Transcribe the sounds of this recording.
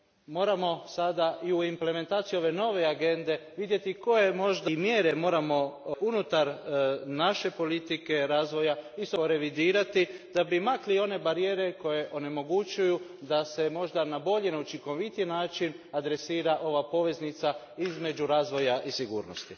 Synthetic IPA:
mo̞ːɾamo̞sad̪aʔiuimple̞me̞nt̪aːt̪sijuo̞ʋe̞no̞ʋe̞aɡe̞nd̪e̞ʋid̪je̞t̪iko̞jemo̞ʒd̪mjeɾe̞mo̞ːɾamo̞unut̪aɾnaʃe̞po̞lit̪ike̞ɾaːzʋo̞jaisooɾe̞ʋid̪iːɾat̪id̪̥abimaklio̞ne̞baɾije̞ːɾe̞ko̞je̞ʔo̞ne̞mo̞ɡut͡ʃujud̪ase̞mo̞ʒd̪anabo̞ʎe̞ne̞ut͡ʃiŋko̞ʋit̪ijnaːt͡ʃin | ad̪ɾe̞siːɾaʔo̞ʋapo̞ʋe̞znit̪sa | izme̞d͡ʒuɾaːzʋo̞jaʔisiɡṵːɾno̰st̪i

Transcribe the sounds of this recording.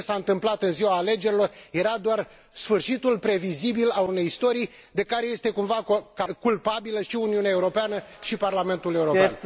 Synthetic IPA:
esaɨnt̪ɨmplat̪ɨnziwaːle̞d͡ʒe̞ɾilo̞rje̞ɾad̪oar | sfɨrʃit̪ulpɾe̞vizibilalune̞jist̪o̞ɾij | d̪e̞kaɾe̞je̞st̪e̞kumvakakulpabiləʃiuniuneaeuɾo̞peanəʃiparlame̞nt̪ule̞uɾopean

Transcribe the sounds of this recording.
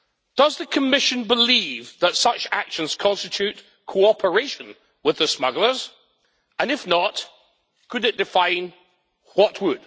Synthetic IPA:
d̥ʌzðɨkʰəmɪʃɨ̃nbɪlivðətsʌt͡ʃakʃə̃nz̥kʰɑ̃nstɨt͡ʃʰʉt | kʰoɑpʰə˞eɪʃə̃n | wɨðəsmʌɡl̩ˠə˞z | ə̃nɨfnət | kʰɨɾɨt̚d̥ɨfãɪ̃n | wʌʔwəd̥

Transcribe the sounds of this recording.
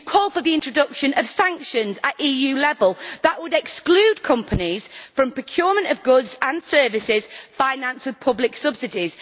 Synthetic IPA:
kʰɔːlˠfəðiɪ̃nt͡ʃɹ̥ədʊkʃə̃nəv̥sãŋkʃə̃nzəʔiːjʉːlɛvəlˠðəʔwədɛksklʉːd̚kʰʊ̃mpʰənɪz̥fɹə̃mpʰɹ̥əkʰj̥ɔːmə̃ntəvɡʊdzə̃nsɜːvɪsɪz̥fãɪnãnswɪð̥pʰʊblɪksʊbsɪdɪz̥

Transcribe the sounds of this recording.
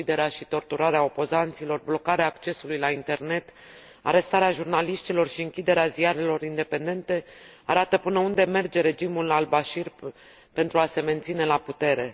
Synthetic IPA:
id̪e̞ɾeaʃit̪o̞rt̪uɾaɾeao̞po̞zant̪silo̞rblo̞kaɾeaːkt͡ʃe̞sulujlaint̪e̞rne̞t̪ | a̰ɾe̞st̪aɾeaʒurnaliʃt̪ilo̞rʃiɨŋkʲid̪e̞ɾeazijaɾe̞lo̞ɾind̪e̞pe̞nd̪e̞nt̪e̞aɾat̪əpɨnəund̪e̞me̞rd͡ʒe̞ɾe̞d͡ʒimulalbaʃir | pe̞nt̪ɾuase̞me̞nt̪sine̞laput̪e̞ɾe̞

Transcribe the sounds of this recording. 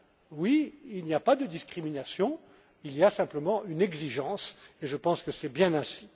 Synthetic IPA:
wiilniapad̪əd̪iskχiminasjɔ̃ | ilijasɛ̃pləmɑ̃ʔynɛɡziʒɑ̃seʒəpɑ̃skəsɛbjɛ̃nɛ̃si̥

